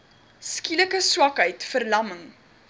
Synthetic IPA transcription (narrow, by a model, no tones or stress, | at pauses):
skiləkəswɐkɦœɥtfərlɐməŋ